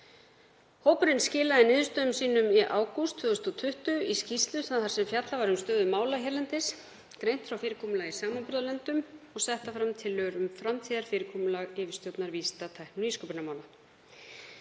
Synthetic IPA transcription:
hoːwpʏɾɪnscɪːlaðɪnɪːðʏst̪œːðʏmsiːnʏmiʔaːwkust̪ʰvʏːɔst̪ɔt̪ʰʏht̪ʏiscist̪lʏθaðθaɾ̥sɛmfjat̪lavaɾʏmst̪œːðʏmaːwlaçɛɾlɛnt̪ɪs | kɾejnt̪fɾawfɪːɾɪkʰɔːmʏlaɣisaːmanpʏɾðalɛnt̪ʏmɔɣsɛht̪afɾamt̪ʰɪlːœːɾʏmfɾamt̪ʰiːðaɾ̥fɪːɾɪkʰɔːmʏlaɣɪːvɪ̥st̪jowt̪naɾviːst̪at̪ʰajhknʏniskœpʏɾnamaːwla

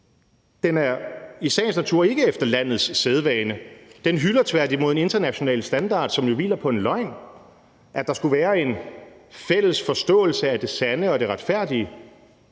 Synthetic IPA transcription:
d̥enæɐisɛ̰ːnsnæt͡sʰuɐ̰e̝ɡ̥əefd̥ɐlæn̰ð̩ˠsːeð̞ˠʋɛːnəd̥enɦylɐt͡sʰʋæɐdi̥mo̝ð̰ˠene̝nd̥ɐnæɕo̝nɛ̰ːləsd̥ænd̥ɑ̰̈ːd̥sɒ̽mjo̝ʋḭːlɐpʰɒ̽e̝nlɒ̽ɪ̰n | ʔæd̥ɑ̈sɡ̥uʋæːɐe̝nfel̰əsfɒ̽sd̥ɔ̰̽ːl̩səæd̥e̝sænəɒ̽d̥e̝ʁɑ̈d̥fæɐ̰d̥iə

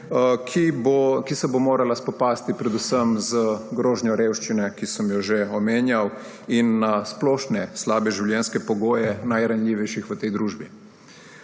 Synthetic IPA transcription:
kʰibokisɛbomoːɾalaspɔpaːst̪ipɾɛd̪usəmzəɡɾoːʒnjɔɾewʃt͡ʃinɛkisəmjɔʒeɔmeːnjaw | inːasplɔːʃnɛslaːbɛʒiwljɛnskɛpɔɡoːjɛnajɾanlʲjiʋɛjʃixʋət̪ɛjd̪ɾuːʒbi

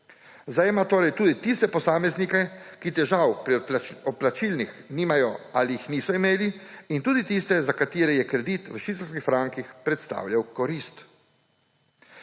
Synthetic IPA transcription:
zd̪ajɛmat̪oːɾɛjt̪uːd̪it̪ist̪ɛpɔsaːmɛznikɛkit̪ɛʒawpɾiɔplat͡ʃilnixniːmajɔaliixniːsɔimeːliint̪uːd̪it̪ist̪ɛzakat̪iːɾɛjɛkɾɛd̪it̪ʋəʃit̪ɛlskixfɾaŋkixpɾɛt̪st̪a̰ːwljawkɔɾist̪

